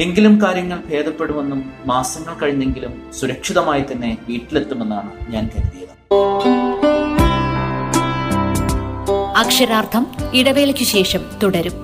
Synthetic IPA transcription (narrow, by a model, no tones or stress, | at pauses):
e̞ŋɡilumkaːɾjɐŋːɐɭbʱe̞ːd̪ɐpːe̞ɽume̞nːumːaːsɐŋːɐɭkɐɻiɲːe̞ŋɡilum | suɾɐkʂiðɐmaːjit̪ːɐnːe̞ʋiːʈːile̞t̪ːume̞nːaːɳɨɲaːnkɐɾuðijɐðɨ | ɐkʂɐɾaːrt̪ʰɐmiɽɐʋe̞ːlɐkʲːɨɕe̞ːʂɐmt̪uɽɐɾum